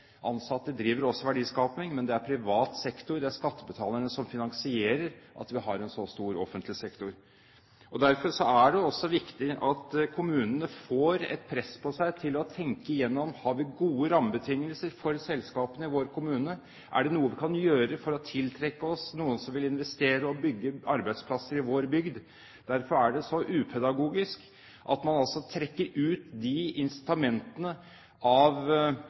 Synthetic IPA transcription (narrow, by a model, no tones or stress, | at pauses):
ʔɑnsɑt̪əd̪əd̪ɾiːʋəɾɔsːɔʋæɖiːskɑːpɪŋmɛnd̪ɛæɾpʰɾɪʋɑːt̪sɛkt̪ʊɾd̪ɛæɾʂkɑt̪ːəbət̪ʰɑːləɳəsɔmfɪnɑŋsɪeːɾəɾʔɑ̰t̪ʋɪɦɑɾɛnsɔst̪uːɾɔ̰fənt̪lɪsɛkt̪ʊɾ | ɔd̪æɾfɔɾʂɔæɖɛɔsːɔʋɪkt̪ɪʔɑt̪kʰʊmʉːnənəfoːɾɛ̰t̪̚pʰɾɛsːpʰɔsæɪt̪ʰɪlɔt̪ʰɛŋkəɪjɛnːɔmhɑɾʋɪɡuːəɾɑmːəbət̪ʰɪŋːəlsəɾfɔɾsɛlskɑːpənəɪʋoːɾkʰʊmʉːnə | ʔæ̰ɖɛnuːəʋɪkʰɑnjøːɾəfɔɾɔt̪ʰɪlt̪ʰɾɛkːəɔsnuːənsɔmʋɪlɪnʋɛst̪eːɾəɔbʏɡːəɑɾbæɪt̪spʰlɑsəɾɪʋoːɾbʏɡd̪ | d̪̥æɾfɔɾæɖɛsɔʔʉːpʰɛd̪ɑɡuːɡɪsk | ʔɑt̪mɑnɑlsɔt̪ʰɾɛkːəɾʉːt̪d̪ɪɪnsɪ̥t̪ɑmɛnt̪ənə | ɑʋ